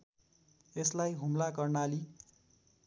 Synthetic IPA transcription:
eslajɦumlakʌrnali

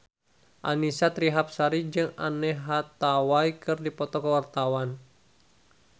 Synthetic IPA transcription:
ʔa̰nisat̪ɾiɦap̚saɾid͡ʒɨŋanɛɦat̪awaikɨrdipɔt̪ɔkəwart̪awan

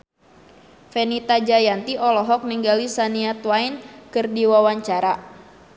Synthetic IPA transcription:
fɛnit̪ad͡ʒajant̪iʔɔlɔɦɔk̚niŋɡalisaniat̪wainkɨrdiwawaɲt͡ʃaɾa

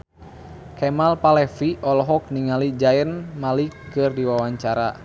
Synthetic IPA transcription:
kɛmalpalɛfiʔɔlɔɦɔk̚niŋalid͡ʒaɛnmalikːɨrdiwawaɲt͡ʃaɾa̰

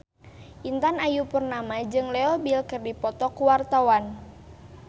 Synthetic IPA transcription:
ʔint̪anajupərnamad͡ʒɨŋlɛɔbilkɨrdipɔt̪ɔkuwart̪awan

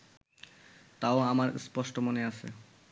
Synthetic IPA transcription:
t̪aoamaɾspɔʃʈomoneat͡ɕʰḛ

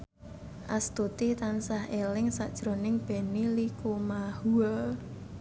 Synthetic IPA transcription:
ʔast̪ut̪it̪ansahelɪŋsaʔd̥ʒ̥ɾo̤nɪŋb̥e̤nilikumahua

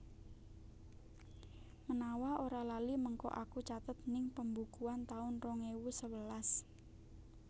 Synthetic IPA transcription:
mənawaʔoɾalaliməŋkɔ̰ʔakut͡ʃat̪ət̪̚nɪŋpəmbukuant̪aʊnrɔŋewusəwəlas

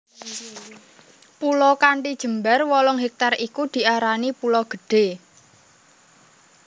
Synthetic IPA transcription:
pulɔkaɳʈid̥ʒ̥ə̤mbarwɔlɔŋɦek̚t̪arikud̪̥i̤ʔaɾanipulɔɡ̥ə̤ɖ̥e

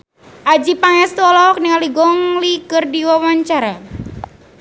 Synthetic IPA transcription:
ʔad͡ʒipaŋɛst̪ɔlɔk̚niŋaliɡɔŋlikɨrdiwawaɲt͡ʃaɾa

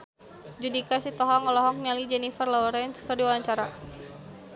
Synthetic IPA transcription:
d͡ʒudikasit̪ɔɦɔŋɔlɔɦɔk̚ɲalid͡ʒɛnifərlɔɔɾɛnskərdiwawaɲt͡ʃaɾa

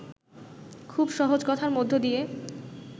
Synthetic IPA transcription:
kʰubʃɔɦod͡ʑkɔt̪ʰaɾmod̪ʱːod̪ije

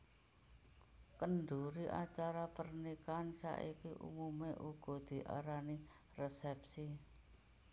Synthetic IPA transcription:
kənɖuɾiʔat͡ʃaɾapərnikansa̰ʔikiʔṵmumeʔuɡ̥ɔ̤d̪̥i̤ʔa̰ɾani | rɛsɛpsi

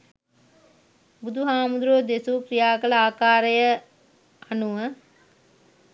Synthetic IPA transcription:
bud̪ʱuɦaːmud̪ɾoːd̪esukɾijaːkələaːkaːɾəjə | anuʋə

